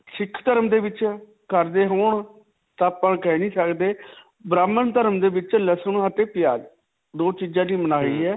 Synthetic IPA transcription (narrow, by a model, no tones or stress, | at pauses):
t͡ʃʰɪkʰt̪əɾəmd̪eːʋɪt͡ʃ | kəɾd̪eːɦoːɳ | t̪aːpə̃ɳkɛnĩːsəkd̪eː | bɾaːmːənt̪əɾəmd̪eːbɪt͡ʃləsənɦat̪eːpɪjaːd͡ʒ | d̪oːt͡ʃiːd͡ʒãːd̪iːmənaːiːɦɛː